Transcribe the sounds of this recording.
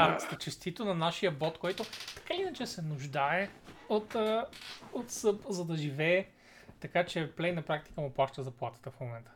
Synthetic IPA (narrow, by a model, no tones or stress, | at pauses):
aɾt̪st̪ɐt͡ʃɛst̪it̪onɐnaʃijəbɔt̪kɔjt̪ʊt̪ɐ̥kainɐt͡ʃɛsɛnʊʒd̪aɛot̪ː | ot̪sɤpzɐd̪ɐʒivɛː | t̪ɐkat͡ʃɛplɛjnɐpɾak̚t̪i̥kəmʊplˠaʃt̪əzɐplˠat̪ə̥t̪əfmomɛnt̪ə̥